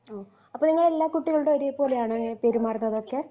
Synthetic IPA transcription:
oː | ɐpːoniŋːɐɭe̞lːaːkuʈːiɣɐɭuɽeoɾijepoːlejaːɳɨŋːɐpeːɾumaːrɐnːɐðo̞kːe

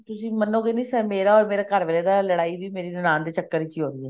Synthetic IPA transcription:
t̪ʊsĩːmənoːɡeːnĩːsɛːmeːɾaːɔːɾmeːɾaːkəɾʋeːleːd̪aːləɽaːiʋiːmeːɾiːnɪnãːnd̪eːt͡ʃəkːəɾikiɦoːɾiːɦɛː

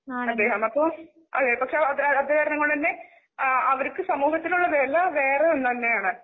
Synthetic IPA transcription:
ɐd̪ːe̞ːɦɐmɐpːoː | ɐ̰d̪eːɐpɐkʂe̞ɐðɾɐɐd̪ekɐɾɐnɐŋːɐɭɨt̪ɐnːe̞ | ɐʋɐɾukːɨsɐmuːɦɐt̪ːiluɭːɐʋelɐʋe̞ːreonːt̪ɐnːe̞jaːɳɨ

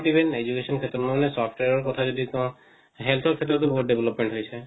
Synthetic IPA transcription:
ʈibʱened͡ʒukesɔnkʰet̪ɾɔnɔnesɔpʰʈweɾɔɾkɔt̪ʰad͡ʒɔd̪ikɔ̃ | ɦelt̪ʰɔɾkʰet̪ɾɔt̪̬ubɔuʈ̪̚ɖebʱlɔpmẽɳʈɦojt͡ʃʰe

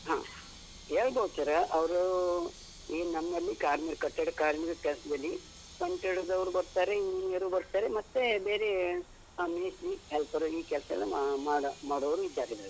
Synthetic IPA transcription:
ɦã̰ː | ɦeːɭbɐːt̪ɐɾɐʔɐʋɐɾu | inɐmːɐlːikaːɾmiɾkɐʈːeɽɐkaːɾmiɾkɛlɐsɐd̪ɐlːi | kɐɳʈeɽɐd̪ɐʋɾubɐɾt̪aːɾeiːnɐneɾubɐɾt̪aːɾemɐt̪ːebeːɾe | meːsɾiɦelpɐɾuiːkɛlsɐɐ̰lːɐmaːɽmaːɽoʋɾuid̪ːaːɾelːɐɾe

